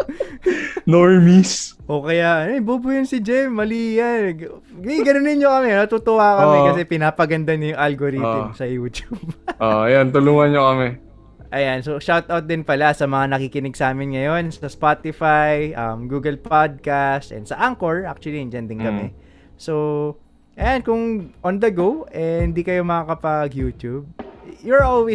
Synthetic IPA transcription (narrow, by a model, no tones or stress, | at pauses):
noɹmisʔokɐjaʔɐnoɪbubujɪnsɪd͡ʒɛmːɐliːjɐn | ɡɐnonɪɲɲokɐmɛnɐt̪ʊt̪ʊhaːkɐmɛkɐsɛpɪnaːpɐɡɐnd̪aɲojʊŋʔalɡoɾit̪msɐjuːt̪jub̚ʔojant̪ʊluŋɐnɲokɐmɛ | ʔɐjansoʃawt̪ʔawt̪̚d̪ɪnpɐlasɐmɐŋanɐkikɪnɪɡsaːmɪnŋɐjo̞nsɐspat̪ɪfajʔɐmɡuːɡɐlpad̪̚kast̪ʔɛ̰nsɐʔaŋkoɹʔak̚t͡ʃʊwɐlind͡ʒɐnd̪ɪnkɐmɛ | so | ʔɐjankʊŋʔond̪ɐɡowʔɛhɪnd̪iːkɐjo̞mɐakɐpɐɡjuːt̪jub̚jʊɹʔolwi